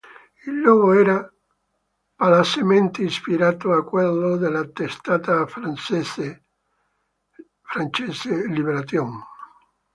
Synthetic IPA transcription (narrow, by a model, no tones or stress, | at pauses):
ilːɔːɡoɛːɾa | palasement̪eispiɾaːt̪oakːwelːod̪elːat̪ːest̪aːt̪afɾansese | fɾant͡ʃeːselibeɾat̪jɔn